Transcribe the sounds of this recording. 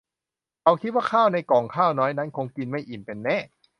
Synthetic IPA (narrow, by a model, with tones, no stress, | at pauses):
kʰa˧wkʰi˦˥t̪̚waː˥˩kʰaː˥˩wna˧jkɔː˨˩ŋkʰaː˥˩wnɔː˦˥jna˦˥˩nkʰo˧ŋki˧nma˥˩jʔi˨˩npe˧nːɛ˦˥˨